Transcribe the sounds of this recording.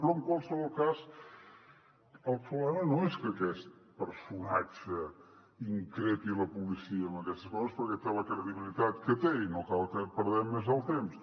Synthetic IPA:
pɾɔəŋkwalˠsəβɔlˠkaz | əlˠfuβlɛmənoɛskəkɛst̪̚pəɾsunat͡ʃə | iŋkɾepiləpulisiəːmbəkɛst̪əskɔzəspəɾkɛt̪eləkɾəðiβilit̪at̪kət̪einokalˠkəpəɾðɛmːezəlˠt̪ems

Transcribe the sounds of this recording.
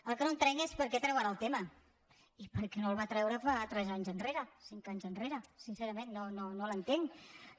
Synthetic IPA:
əlˠkənont̪ɾɛŋespəɾkɛt̪ɾɛwaɾaəlˠt̪emə | ipəɾkɛnolˠβat̪ɾɛwɾəfat̪ɾɛzaɲzənreɾəsiŋkaɲzənreɾəsinseɾəmenːononolənt̪eŋ

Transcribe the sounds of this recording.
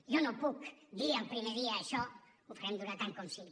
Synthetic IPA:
jonɔmpukd̪iampɾimeðiaːʃɔ | ufaɾɛmd̪uɾat̪aŋkonsi

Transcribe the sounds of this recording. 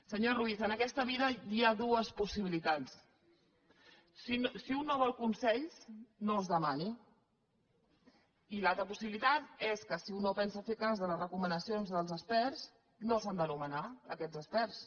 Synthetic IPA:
səɲoruizənəkɛst̪əβiðəiaðuəspusiβilit̪at͡s | isiunːoβ̞ɔlˠkunsɛʎsnozðəmani | ilalˠt̪ɾəpusiβilit̪at̪eskəsiunːopɛnsəfekazðələzrəkumənəsionzðəlˠzəspɛrs | nosand̪ənumənaə̰kɛd͡zəspɛrs

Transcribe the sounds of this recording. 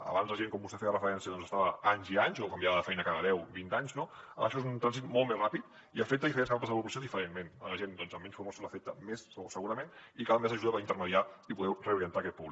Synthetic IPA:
ə̰βanzlɐʒeŋkɔmbust̪efejərəfəɾɛnsiəðɔnzəst̪aβəaɲziaɲzokɐmbjaβəðəfɛjnəkaðəðɛwbint̪aɲznoə̰ʃɔezunt̪ɾanzit̪mɔlˠmezrapit̪ | iəfek̚t̪əifəɾens̬kampəzðəpɾupləsjoðifəɾenmenləʒend̪ɔnzəmːɛɲsfumɔsoləfet̪əmesəsəɣuɾəmenikalmezəʒuðaβaint̪əɾməðiaipuðɛwreuɾiənt̪aːkɛt̪̚puβli

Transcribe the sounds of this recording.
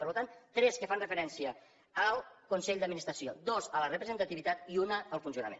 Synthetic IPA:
əɾlut̪ant̪ɾɛskəfanrəfəɾɛnsiə | əlˠkunsɛʎd̪əd̪minist̪ɾəsio̰d̪ozələrəpɾəzənt̪ət̪iβit̪at̪iunəːlˠfunsiunə̰mḛn

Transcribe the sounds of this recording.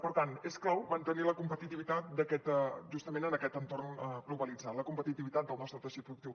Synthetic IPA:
pəɾt̪anesklawmənt̪əniləkumpət̪it̪iβit̪at̪̚d̪əkɛt̪ʒust̪əmenənəkɛt̪ənt̪ornəɣluβəlid͡zat̪ləkumpət̪it̪iβit̪at̪̚d̪əlˠnɔst̪ɾət̪əʃit̪̚pɾuðukt̪iw

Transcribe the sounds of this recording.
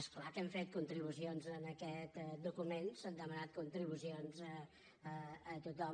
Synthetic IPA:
esklakɛɱfet̪̚kunt̪ɾiβ̞usionzənəkɛt̪d̪ukumensand̪əmənat̪̚kunt̪ɾiβusionzə | əːt̪ut̪ɔm

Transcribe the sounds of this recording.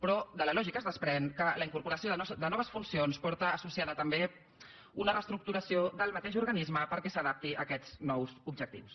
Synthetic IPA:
pɾɔd̪ələlɔʒikəːzðəspɾɛnkələiŋkuɾpuɾəsioðd̪ənɔβəsfunsionspɔɾt̪əːsusiaðət̪əmbe | unərəst̪ɾuk̚t̪uɾəsiod̪əlˠmət̪eʃuɾɣənizməpəɾkɛsəð̞ap̚t̪iəkɛznɔwzubʒək̚t̪ḭws

